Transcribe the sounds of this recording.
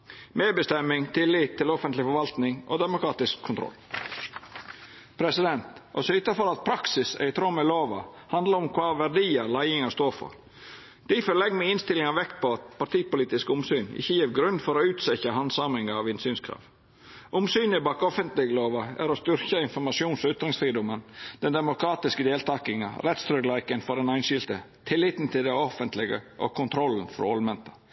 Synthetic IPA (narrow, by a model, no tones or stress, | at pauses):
meːbəst̪ɛmːɪŋt̪ʰɪlːɪt̪ʰːɪlɔfənt̪lɪfɔɾʋɑlt̪nɪŋʔo̰ːd̪ɛmʊkʰɾɑːt̪ɪskʰːʊnt̪ʰɾɔ̰lː | pʰɾɛsɪd̪ɛnt̪ɔ̰sɔɪt̪ɑfɔɾɑt̪̚pʰɾɑksɪsæ̰ɪt̪ʰɾoməloːʋɑ̰ | hɑnd̪ləɾʊmkʰʋɑːʋæɾɖiːəɾlæɪɪŋɑst̪oːfɔ̰ɾ | d̪̥ifɔɾɭɛɡmɛɪnst̪ɪlɪŋɑʋɛkt̪̚pɔɑt̪pɑʈ̪iːpʊliːt̪ɪskʊmsyːnɪ̰çːəjiːɾɡɾʉnːfɔɾoːʉːt̪sɛçəhɑnsɑmɪŋɑɑʋɪnsyːnskʰɾɑ̰ːʋ | ʔʊmsyːnɪbɑːkɔfənt̪lɪɡəloːʋɑæ̰ɾɔst̪ʏɾçəɪnfɔɾmɑʂɪuːnsɔʉːt̪ɾɪŋsfɾiːd̪ʊmənd̪̥ɛnd̪ɛmʊkʰɾɑːt̪ɪskəd̪eːlt̪ʰɑːkɪŋɑ̰ɾɛt̪st̪ɾœklæɪkənfɔɾɖɛnæɪnʃɪlt̪ət̪ʰɪlːɪt̪nt̪ʰɪld̪ɛɔfənt̪lɪɡə̰ʔɔ̰kʰʊnt̪ʰɾɔln̩fɾɔ̰ɔlmɛnt̪ɑ